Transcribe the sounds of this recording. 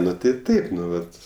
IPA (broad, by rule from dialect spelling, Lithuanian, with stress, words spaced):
ˈnʊ tɐɪ ˈtɐɪp ˈnʊ ˈʋɐt